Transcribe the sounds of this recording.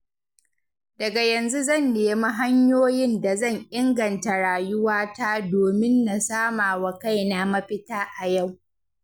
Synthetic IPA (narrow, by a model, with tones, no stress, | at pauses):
dɐ˨ɡa˨jɐ˨nzu˦zɐ˦˨nːeː˨ma˦ɦa˦ɲjoː˦jɪ˦nda˨zɐ˦˨ɲʔɪ˦ŋɡɐ˨nta˨ɽaː˨jʊ˦waː˦taː˦doː˨mɪ˦nːa˨saː˦maː˨wa˨ka˦˨jna˨mɐ˦ɸɪ˦taː˦ʔa˨ja˦˨w